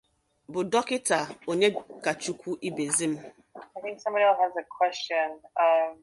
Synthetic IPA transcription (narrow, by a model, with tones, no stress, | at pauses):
bʊ˨dɔ˦kɪ˦ta˨o˨ɲe˦ka˨t͡ʃu˦kʷu˦ʔi˦be˨zi˦m̩˦ | aɪθɪ̃ŋksʌ̃˦mbɔɾiɛəzəkʰw̥ɛst͡ʃɨ̃nʌm